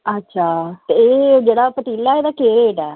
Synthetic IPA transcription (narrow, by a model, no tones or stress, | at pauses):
ətːʃʰaːt̪eːd͡ʒeːɽaːpət̪iːlaɛːeːd̪aːkeːɾeːʈɛː